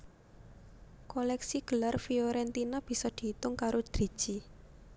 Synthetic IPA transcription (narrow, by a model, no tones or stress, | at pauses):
kolɛksiɡ̥əlarfioɾɛnt̪inab̥i̤sɔd̪̥i̤t̪ʊŋkaɾod̪̥ɾi̤d̥ʒ̥i